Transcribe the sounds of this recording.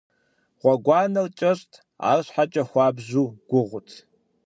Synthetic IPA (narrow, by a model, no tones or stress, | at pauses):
ʁʷɑɡʷɑːnɐlt͡ʃʼɐɕʼtʰ | a̰ːrɕħat͡ʃʼɐxʷɑːbʑuːɡ̥ʷʊʁʷʊtʰ